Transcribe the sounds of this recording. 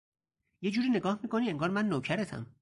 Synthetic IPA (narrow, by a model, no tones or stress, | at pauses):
je̞d͡ʒuːɾiːne̞ɡɒːhmiːkʰo̞niːe̞ŋɡɒːɾmænːoːcʰæɾet̪ʰæ̰m